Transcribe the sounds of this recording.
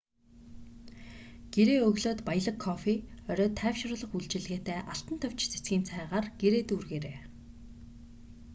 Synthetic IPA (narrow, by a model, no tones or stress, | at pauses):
ɡ̥eɾeːɵɣɮoːt̪pajə̆ɮə̆kʰːɔfiœɾʲɔːt̪ʰæːwʃrʊːɮə̆χuɮt͡ɕɪ̆ɮɣeːt̪æːʔaɬt̪ə̆nt̪ʰœw̥t͡ɕt͡sʰe̥t͡sɡʲiːnt͡sʰæːʁaːrɡ̥eɾeːt̪uːrɣeːɾeː